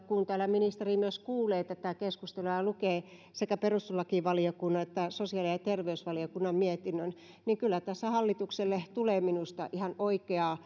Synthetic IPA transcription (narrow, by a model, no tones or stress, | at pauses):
kunt̪æːlæminist̪erimyøskuːleːt̪æt̪æˑkeskust̪eluɑlukeː | sekæperust̪ulɑkiʋɑliokunːɑet̪ːæsosiɑlijɑt̪erʋeysʋɑliokunːɑmmiet̪inːøn | niŋkylːæt̪æsːæhɑlːit̪ukselːet̪uleːminust̪ɑ̰ʔihɑnoikeɑː